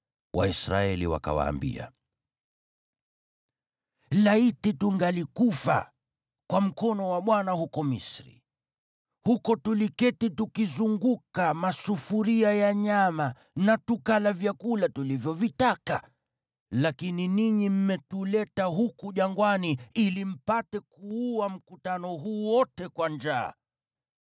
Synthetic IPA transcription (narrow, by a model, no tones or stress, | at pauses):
wʔa̰isɾa̰ɛlḭwa̰ka̰wa̰ːmbḭa̰ | laitituŋɡalikufa̰ | kwam̩kɔnɔwaɓwanahukɔmisɾḭ | hukɔtulikɛtitukizuŋɡukamasufuɾiajaɲama | natukalavjakulatulivjɔvitaka | lakininiɲim̩mɛtulɛtaɦukuʄaŋɡwaniilim̩patɛkuuam̩kutanɔɦuːwɔtɛkwaɲd͡ʒa̰ː